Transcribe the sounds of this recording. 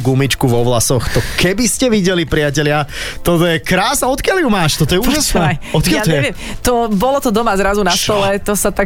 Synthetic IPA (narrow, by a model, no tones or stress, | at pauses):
ɡumit͡ʃkuʋɔʋlasɔxt̪ɔkɛbiscɛʋiɟɛlipɾɪacɛʎɪat̪ɔt̪ɔjɛkɾaːsnaɔt̪kɪjaljumaːʃt̪ɔt̪ɔjɛuːʒasnɛːɔt̪̚kjaaɛʋɪɛm | t̪ɔbɔlɔt̪ɔd̪ɔmazɾazunast̪ɔlɛt̪ɔsat̪a